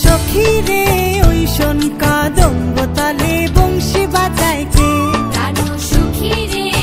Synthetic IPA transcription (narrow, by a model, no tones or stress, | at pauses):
ʃɔkʰiɾeojʃɔnkad̪ɔŋbɔt̪alebɔŋʃibad͡ʒajke